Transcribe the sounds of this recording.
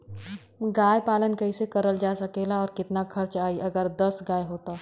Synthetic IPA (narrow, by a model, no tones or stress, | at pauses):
ɡaːjpaːlənkɐisekɐɾəld͡ʒaːsɐkeːlaɔːɾkɪt̪naxʰɐɾt͡ʃaːiʔɐɡəɾd̪ɐsɡaːjɦoːt̪aː